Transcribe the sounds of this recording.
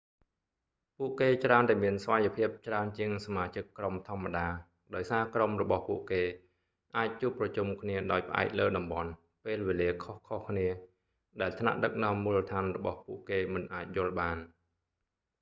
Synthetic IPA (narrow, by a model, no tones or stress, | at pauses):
puəʔkeːt͡ɕraənt̪aɛmiənsʋajopʰiəp̚t͡ɕraənt͡ɕiəŋsamaːt͡ɕɨkːromt̪ʰŏəmːaɗaː | ɗaɔjsaːkromrɔɓɑhpuəʔkeː | ʔaːc̚t͡ɕuːəpːrɑt͡ɕumkʰniəɗaɔjpə̆ʔa̰ɛk̚ləːɗɑmɓɑn | peːlʋeːliəkʰohkʰohkʰniə | ɗaɛlt̪ʰna̰ʔɗək̚nɔ̆əmːuːlːət̪ʰaːnrɔɓɑhpuəʔkeːmɨnʔaːc̚jʊ̆əlɓaːn